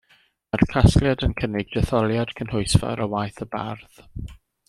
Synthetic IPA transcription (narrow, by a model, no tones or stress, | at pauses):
arkʰaskljadənkʰənɪɡ̚dɛθɔlˠjad̥kʰənhʊɨsfa̰ɾɔwajθəba̰rð̥